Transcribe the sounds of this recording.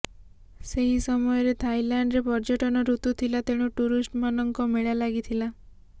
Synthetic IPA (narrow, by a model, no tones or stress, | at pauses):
seɦisɔmɔjɔɾet̪ʰajlaɳɖɾepɔɾd͡ʒɔʈɔnɔɾut̪ut̪ʰilat̪eɽ̃uʈuɾisʈmanɔŋkɔmeɭalaɡit̪ʰila